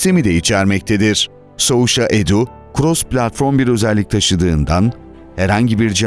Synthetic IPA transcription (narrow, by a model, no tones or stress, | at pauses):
semid̪ɛit͡ʃʰæɾmɛc̚t̪ʰed̪iɾ̥ | souʃaʔed̪u | kʰɾosplʲat̪fo̞ɾmbiɾø̞zɛlʲːic̚t̪ʰaʃɯd̪ɯːnd̪an | hɛɾhaɲɟibiɾd͡ʒi